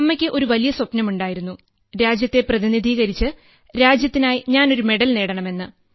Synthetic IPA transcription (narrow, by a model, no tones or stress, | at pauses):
ɐmːɐkʲːɨʔo̞ɾuʋɐlijɐswɐpnɐmuɳɖaːjiɾunːu | ɾaːd͡ʑjɐt̪ːe̞prɐðinid̪ʱiːɣɐɾit͡ɕːɨ | ɾaːd͡ʑjɐt̪ːinaːjiɲaːno̞ɾume̞ɽɐlne̞ːɽɐɳɐme̞nːɨ